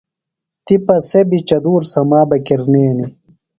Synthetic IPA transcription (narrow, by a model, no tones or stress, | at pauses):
t̪ipɐsebit͡ɕɐd̪uːɾsɐmaːbɐkiɾneːni